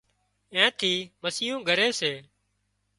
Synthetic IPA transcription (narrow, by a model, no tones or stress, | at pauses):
ẽːt̪ʰiːməsiːɦũːɡʱəɾeːseː